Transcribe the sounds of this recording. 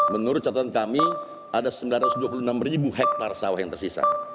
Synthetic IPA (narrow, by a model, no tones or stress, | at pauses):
mənuɾʊt̪̚t͡ʃat̪at̪ankami | adasəmbilanrat̪usduapulunamɾibuɦɛk̚t̪arsawahjaŋt̪ərsisa̰